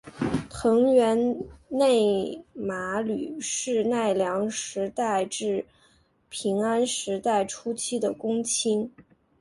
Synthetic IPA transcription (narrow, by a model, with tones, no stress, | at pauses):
t̪ʰɤ˧˥ŋɥɛ˧˥nne˥˩ɪma˧˥ly̰˨˩ʂɻ̩˥˧na˥˩ɪljɑ˧˥ŋʂɻ̩˧˥t̪a˥˧ɪʈ͡ʂɻ̩˥˩ | pʰi˧˥ŋa˥nʂɻ̩˧˥t̪a˥˩ɪʈ͡ʂʰu˥t͡ɕʰi˥d̪ə˨˩kʊ˥ŋt͡ɕʰi˥ŋ